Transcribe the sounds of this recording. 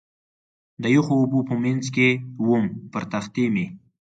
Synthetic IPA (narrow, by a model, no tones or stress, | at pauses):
d̪əjuxoːbupəmanzkewumpəɾt̪axt̪ime